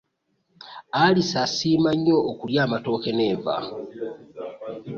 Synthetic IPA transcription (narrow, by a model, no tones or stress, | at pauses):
alisasiːmaɲːo̞ːkuljaːmato̞ːke̞ne̞ːva̰